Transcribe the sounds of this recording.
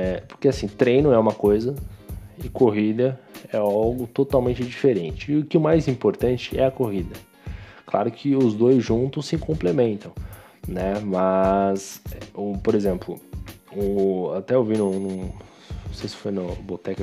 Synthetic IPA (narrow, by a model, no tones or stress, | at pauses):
ɛpo̥ɾkeasĩt̪ɾẽjnʊɛũmɐkojzɐɪkoɦid̪ɐɛawɡʊt̪ot̪awmẽnt͡ʃɪd͡ʒifeɾẽnt͡ʃɪʊkɪʊmajzĩmpoɾt̪ɐ̃nt͡ʃɪɛɐkoɦid̪ɐ | kla̰ɾʊkʰɪʊzd̪ojzʒũnt̪ʊsɪĩkõmplemẽnt̪ɐ̃w̃ | nɛmɐzɛʊpoɾezẽmplʊ̰ʊat̪ɛewvinʊnũ | osejsɪ̥fojnʊbot̪ɛk